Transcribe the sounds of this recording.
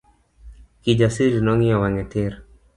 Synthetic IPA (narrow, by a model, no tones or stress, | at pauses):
kid͡ʒasiɾinɔŋijɔwaŋɛt̪ɪɾ